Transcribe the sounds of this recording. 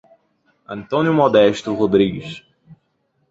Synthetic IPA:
ɐ̰̃nt̪õnjʊmod̪ɛʃt̪ʊʁod̪ɾiɡɪs

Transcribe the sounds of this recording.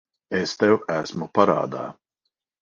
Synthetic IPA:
est̪ɛwæsmupaɾa̰ːd̪a̰ː

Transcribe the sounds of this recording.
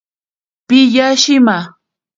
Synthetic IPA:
pɪʎaʃɪma

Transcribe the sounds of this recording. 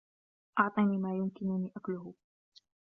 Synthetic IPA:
ʔɑʕt̪ˤɑnimaːjʊmkɪnʊnɪʔaklʊhʊ

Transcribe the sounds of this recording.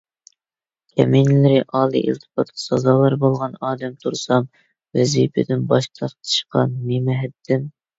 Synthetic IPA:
kʲʰɛ̰minlɪɾɪʔɑːlˠḭʔḭlt̪ʰɨ̥pɑt̪̚qʰɑ̥sɑzɑːlˠɑɾbolˠʁɑnɑːd̪ɛmt̪ʰuɾsɑm | vɛzipʰɪd̪ɪnbɑʃt̪ʰɑɾt̪ʰɨ̥ʃqɑ̰nːemɛɦɛd̪ːɪm

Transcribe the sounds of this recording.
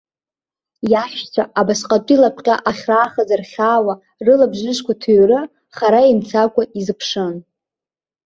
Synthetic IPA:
jaʃt͡sʷʰaʔabasqʼatʷʼilapʰʷʼqʲʼaʔaχʲraːχazarχʲaːwa | rɨlabʒɨʃkʷatʰuɥrɨ | χaɾaint͡sʰakʷaizɨpʰʂɨn

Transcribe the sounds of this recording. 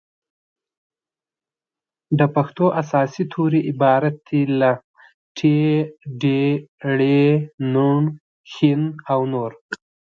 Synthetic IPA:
d̪əpaxt̪oʔasɑːsit̪ʰoɾiʔɪbɑːɾat̪̚d̪ila | ʈʰeɖeɽenuɳ | xinawnoɾ

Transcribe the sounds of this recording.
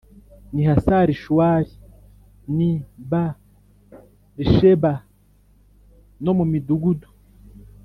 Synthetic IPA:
nihasaɾiʃwaːɾi | niba | ɾiʃeba | nomumiduɡudu̥

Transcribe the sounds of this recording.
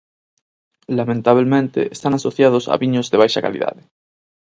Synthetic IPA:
lamẽnt̪aβ̞lmẽnt̪ḛest̪anasoθjað̞osa̰βiɲozðeβajʃaka̰lḭða̰ðe

